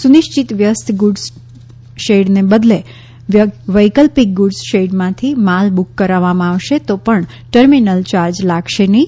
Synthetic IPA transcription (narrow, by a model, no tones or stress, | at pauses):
sunɪʃt͡ʃit̪ʋjəst̪ɡuɖs | ʃeɖnebəd̪le | ʋəjkəlpik̚ɡuɖsʃeɖmãt̪ʰimalbukːəɾaʋamãaʋʃet̪opəɳ | ʈəɾminəlt͡ʃaɾd͡ʒlaɡʃenəĩ